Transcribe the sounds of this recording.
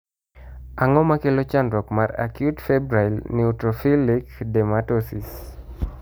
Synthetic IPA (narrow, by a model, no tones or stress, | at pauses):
aŋɔmakelot͡ʃandɾɔkmaɾa̰kjutfɛbɾailniutɾofilikdɛmatɔsis